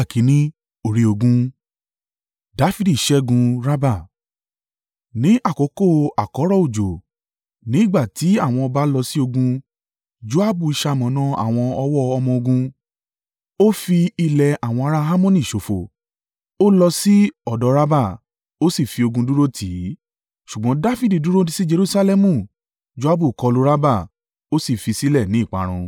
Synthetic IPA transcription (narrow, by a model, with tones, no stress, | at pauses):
a˦˨kʰi˨˦nĩ˦ | o˦˨ɾi˧˦o˧ɡũ˧ | da˨˦fi˦di˦˨ʃɛ˦ɡũ˧ɾa˦ba˦˨ | nĩ˨˦ʔa˦˨ko˨˦ko˦˨a˨kɔ˨˦ɾɔ˦˨o˦˨d͡ʒo˨ | nĩ˨˦ɡ͡ba˦˨ti˨˦a˦˨w̃ɔ̃˧ɔ˧ba˦lɔ˧si˦o˧ɡũ˧ | d͡ʒu˦a˦bu˦˨i˧ʃa˧˨mɔ̃˨nã˦a̰˦˨w̃ɔ̃˧ɔ˧wɔ˦ɔ˧mɔ̃˧o˧ɡũ˧ | o˦fi˧i˧lɛ˨a˨w̃ɔ̃˧a˧ɾa˧ɦa˦mɔ̃˦nĩ˦˨ʃo˨fo˨ | o˦lɔ˧si˦ɔ˦˨dɔ˨˧˦ɾa˦ba˦˨ | o˦si˦˨fi˧o˧ɡũ˧du˦ɾo˦tʰi˨˦ | ʃu˨ɡ͡bɔ̃˨˦da˦fi˦˨di˨du˦ɾo˦di˦si˦d͡ʒe˧ɾu˦sa˧lɛ˦mũ˦˨ | d͡ʒo˦a˦bu˦˨kɔ˧lo˧˦ɾa˦ba˦˨ | o˦si˦˨fi˧si˦lɛ˦˨nĩ˨˦˨k͡pa̰˨˦ɾ̃ṵ̃˧